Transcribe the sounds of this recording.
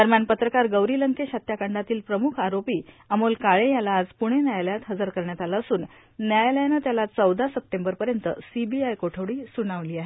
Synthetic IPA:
d̪əɾmjanpət̪ɾəkaɾɡəʋɾiːləŋkeɕat̪jakəɳɖat̪iːlpɾəmukʰaɾopiː | əmolkaɭejalaːd͡zpuɽ̃enjajləjat̪ɦəd͡zəɾkəɾɳjat̪alaəsuːnː | jajləjnət̪jalat͡səwd̪asəp̚ʈembəɾpəɾjənt̪əsibiajkoʈʰəʋɽiːsunaʋliːaɦe

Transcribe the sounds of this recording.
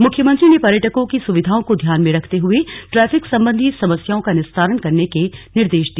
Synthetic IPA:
mʊkʰjəmə̃nt̪ɾinepɐɾjəʈəkõkisʊʋɪd̪ʱaːõkod̪ʱjaːnmẽɾɐkʰt̪eɦʊeʈɾɛːfɪksɐ̃mbə̃nd̪ʱisɐməsjaːõkanɪst̪ʰaːɾəɽkɐɾnekenɪɾd̪eːʃd̪i

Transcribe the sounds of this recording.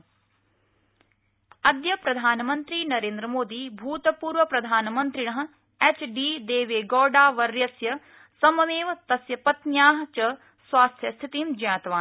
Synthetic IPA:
ɐd̪jɐpɾɐd̪ʱaːnɐmɐnt̪ɾiːnɐɾeːnd̪ɾɐmoːd̪iːbʱuːt̪ɐpuːɾʋɐpɾɐd̪ʱaːnɐmɐnt̪ɾiɳɐɦɐ̆ | et͡ʃɖiːd̪eːʋeːɡɔːɖaːʋɐɾjɐsjɐ | sɐmɐmeːʋɐt̪ɐsjɐpɐt̪njaːɦɐ̆t͡ʃɐ | sʋaːst̪ʰjɐst̪ʰit̪iːmd͡ʒɐjãːt̪ɐʋaːn

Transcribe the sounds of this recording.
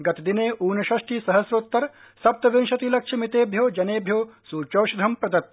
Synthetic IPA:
ɡɐt̪d̪ineːʔuːnɐʃɐʂʈiːsɐɦɐsɾoːt̪ːɐɾ | sɐp̚t̪ɐʋinʃɐt̪ilɐkʂʰɐmit̪eːbʱjoːd͡ʒɐneːbʱjoːsuːt͡ʃoːʃɐd̪ʱɐmpɾɐd̪ɐt̪̚

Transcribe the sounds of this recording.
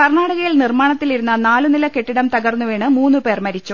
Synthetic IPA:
kɐrɳaːɽɐɣɐjilnirmaːɳɐt̪ːiliɾunːɐnaːlunilɐke̞ʈːiɽɐmt̪ɐɣɐrnːuʋeːɳɨmuːnːupe̞ːrmɐɾit͡ɕːu

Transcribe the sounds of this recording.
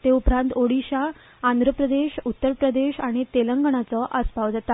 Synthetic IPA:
t̪eupɾãnt̪oɽiɕaː | nd̪ʱɾəpɾəd̪eɕut̪ːəɾpɾəd̪eɕaɽ̃it̪eləŋɡəɳ̃at͡səʔəspaʋd͡zat̪a

